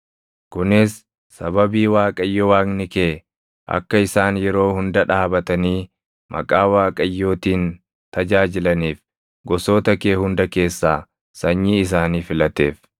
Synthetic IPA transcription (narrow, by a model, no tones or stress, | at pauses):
kʊnɪsː | ɐβɐbiːwaːkʼɐjːɔwaːknɪkeː | ʔɐ̰kːɐɪsaːnjɛɾo̞ːhʊnd̪ɐᶑaːbɐt̪ɐniː | mʔɐ̰kʼaːwaːkʼɐjːo̞ːt̪iːn | t̪ɐd͡ʒaːd͡ʒɪlɐniːf | ɡɔso̞ːt̪ɐke̞ːhʊnd̪ɐke̞ːsːaː | sɐɲːiːɪs̬aːniːfɪlɐt̪e̞ːf